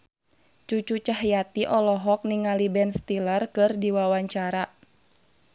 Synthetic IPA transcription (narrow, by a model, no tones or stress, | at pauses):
t͡ʃut͡ʃut͡ʃaɦjat̪iʔɔlɔɦɔk̚niŋalibɛnst̪ilərkɨrdiwawaɲt͡ʃaɾa